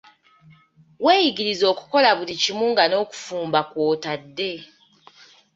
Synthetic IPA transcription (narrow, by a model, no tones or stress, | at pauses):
we̞ːjiɡiɾizo̞ːku̥ko̞laβulicimuːŋɡano̞ːku̥fuːmbakwo̞ːtadːe̞